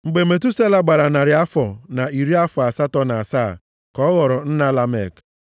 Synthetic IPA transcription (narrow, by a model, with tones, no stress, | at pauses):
ŋ͡m̩˨ɡ͡be˨me˨tu˦se˦la˨ɡ͡ba˨ɾa˨na˨ɾɪ˨a˦fɔ˨na˨i˨ɾi˦a˦fɔ˨a˨sa˦tɔ˦n˨a˨saː˦˨ | kɔ˦ɣɔ˨ɾɔ˨n̩˦na˦la˦me˦˨k